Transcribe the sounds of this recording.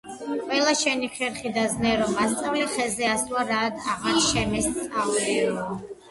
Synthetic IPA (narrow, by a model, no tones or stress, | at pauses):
qʼwɛlˠaʃɛniχɛɾχid̪aznɛɾɔmːast̪sʼavliχɛzɛasuaɾad̪ʰaʁaɾʃɛmɛst̪sʼavɛɔ